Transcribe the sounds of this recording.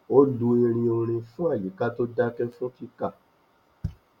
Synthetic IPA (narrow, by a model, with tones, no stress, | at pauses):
o˦du˧ĩ˧ɾ̃ĩ˧o˧ɾ̃ĩ˧fũ˦a˦˨ji˨˦ka˦to˦da˦kɛ˦fũ˦ti˦ka˦˨